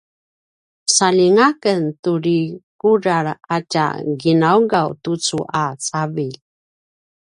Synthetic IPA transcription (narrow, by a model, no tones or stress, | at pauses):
saliŋakəntuɾikuɾaɾaca̰ɡinauɡawtut͡suʔat͡savil